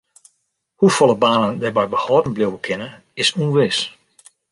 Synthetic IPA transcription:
hufɔlˠəbaːnəndɛbɛjbəhɔːdn̩blɪwwəkʰɪnə | ɪsunʋɪs

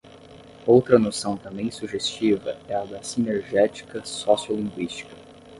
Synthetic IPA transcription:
owt̪ɾɐnosɐ̃w̃t̪ɐ̃mbẽj̃suʒest͡ʃivɐ̰ɛɐd̪ɐsineɾʒɛt͡ʃi̥kɐsɔsiolĩŋɡwist͡ʃi̥kɐ̥

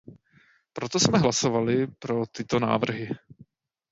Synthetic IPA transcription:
pɾo̞t̪o̞smɛɦlasovalɪpɾo̞t̪ɪt̪o̞na̰ːvr̩ɦɪ

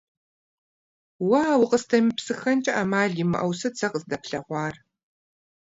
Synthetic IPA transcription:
wɐːwʊqəstʰɐmipsɨxɐnt͡ʃʼɐʔamaːɮimɨ̰ʔɐwsɐt͡sʰɐqəzdɐpɬɐʁʷɑːr

